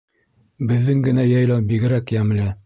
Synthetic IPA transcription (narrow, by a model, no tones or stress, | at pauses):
bɘ̆ðːɘŋɡɘ̆næjɑjlɑwbiɡɘ̆ɾækjæm̆lɘ